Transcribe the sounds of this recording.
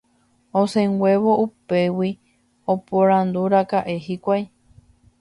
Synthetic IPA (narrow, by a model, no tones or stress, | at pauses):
osẽŋɡʷeβoʔupewi | opoɾand̪uɾakaʔeɦikʷaj